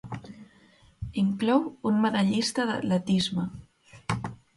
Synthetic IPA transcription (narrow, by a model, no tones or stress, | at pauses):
iŋklɔwunməðaʎist̪əðə̰lət̪izmə